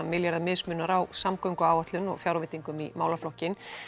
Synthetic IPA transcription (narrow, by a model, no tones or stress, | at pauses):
amɪljaɾðamɪðsmʏːnaɾawsamkœwŋkʏaːwat̪lʏnɔ̰ɣfjawɾvɪt̪iŋkʏmimaːwlaflɔhcɪn